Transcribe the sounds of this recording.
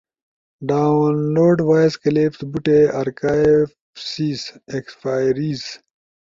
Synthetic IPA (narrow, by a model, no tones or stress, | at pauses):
ɖaːwnloːɾɖwaːjskɐleːft̪buʈeɐɾkaːefsiːsekspaːjɾiːz